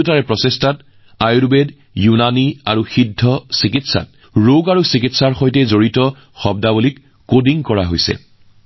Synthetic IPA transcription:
taɹɛpɹɔsestat | ajuɹbed | junania̰ɹuxidʱːɔsikitsa̰t̚ | ɹoɡaɹusikitsaɹxojtɛzoɹitɔ | xɔb̚dabulikː | odiŋkɔɹaɦojsɛ̰

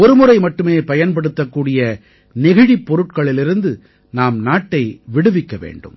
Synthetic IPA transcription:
ɔɾɯmʊɾɐɪmɐʈːɯmeːpɐjɐnpɐɽɯt̪ːɐkːuːɽɪjɐ | nɪɣɪɻipːɔɾɯʈ̚kɐɭɪlɪɾɯnd̪ɯ | naːmnaːʈːɐɪʋɪɽɯʋɪkːɐʋḛːɳɖɯ̰m

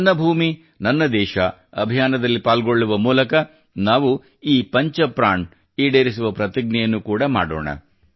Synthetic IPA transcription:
nːɐbʱuːmi | nɐnːɐd̪ɛːʃɐɐbʱijaːnɐd̪ɐlːipaːlɡo̞ɭːuʋɐmuːlɐkɐ | naːʋu | iːpɐɲt͡ʃɐpɾaːɳ | iːɽeːɾisuʋɐpɾɐt̪iɡ̚nɛjɐnːukuːɽɐma̰ːɽo̰ːɳɐ̰

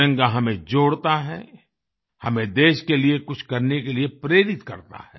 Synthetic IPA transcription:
ə̃ŋɡaɦɐmẽd͡ʒoːɽt̪aɦɛ̰ | hɐmẽd̪eːʃkeliekʊt͡ʃʰkɐɾnekeliepɾeːɾɪt̪kɐ̰ɾt̪a̰ɦɛː

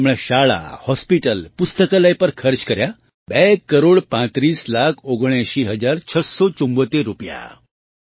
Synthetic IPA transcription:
mɭɛɕaɭa̰hɔspiʈəlpust̪əkalajpəɾkʰəɾt͡ɕkəɾja | bɛkːəɾoɽpãt̪ɾiːslakʰoɡɳ̃jãɕiːɦəd͡zaɾt͡ɕʰəsɔt͡ɕumbət̪eɾːupja̰

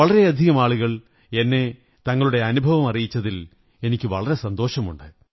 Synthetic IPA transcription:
ɐɭɐɾe̞ɐd̪ʱiɣɐmaːɭuɣɐɭ | e̞nːe̞ | t̪ɐŋːɐɭuɽe̞ɐnubʱɐʋɐmɐrijit͡ɕːɐðil | e̞nikʲːɨʋɐɭɐɾe̞sɐnd̪o̞ːɕɐmuɳɖɨ

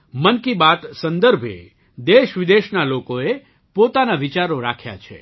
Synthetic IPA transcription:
mənkibat̪sənd̪əɾbʱḛ | d̪eʃʋid̪eʃnalokoe | pot̪anaʋit͡ʃaɾoɾakʰja̰t͡ʃʰḛ

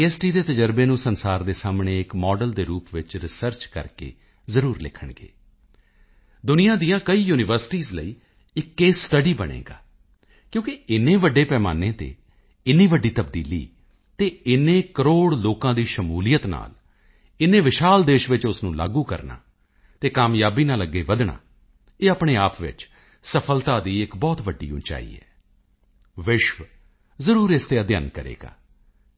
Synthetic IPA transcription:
iɛːsʈiːd̪eːt̪əd͡ʒəɾbeːnũːsənsaːɾd̪eːsaːmɳeːɪkmɔːɖəld̪eːɾuːpʋɪt͡ʃɾɪsəɾt͡ʃkə̰ɾkḛː | zəɾuːɾlɪ̰kʰːəɳɡḛː | d̪ʊnɪjãːd̪ijãːkəiːjuːnɪʋəɾsɪ̥ʈiːzləiː | ɪkːeːsʈəɖiːbəɽ̃ḛ̃ːɡa̰ː | kjõːkɪɪnːẽːʋəɖeːpɛːma̰ːneːt̪ḛː | ɪnːĩːʋəɖiːt̪əbd̪ḭːlḭː | t̪eːɪnẽːkəɾoːɽloːkãːd̪iːʃəmuːlijət̪na̰ːl | ɪnẽːʋɪʃaːld̪eːʃʋɪt͡ʃʊsnũːla̰ːɡũːkə̰ɾna̰ː | t̪eːkaːmjaːbiːnaːləɡeːʋəd̪ɳa̰ː | eːaːpɳeːaːpʋɪ̰t͡ʃ | səpʰəlt̪aːd̪iːɪkbɔːt̪ʋəɖːḭːʊ̰̃nt͡ʃa̰ːḭːɛ̰ː | ʋɪʃʋ | zəɾuːɾɪst̪eːəd̪ɪjaːnkəɾḛːɡa̰ː

